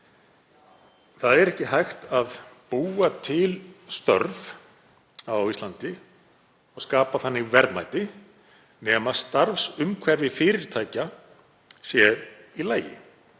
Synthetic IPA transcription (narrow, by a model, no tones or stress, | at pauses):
θaðɛɾɛhcɪɦajxt̪aðpuːat̪ʰɪlst̪œ̰ɾv | awawist̪lant̪ɪ | ɔɣskaːpaθanːɪvɛɾðma̰jt̪ɪ | nɛmaðst̪aɾfsʏmkʰvɛɾvɪfɪːɾɪɾ̥t̪ʰaːjca | sjɛɾ | ilaːjɪ̰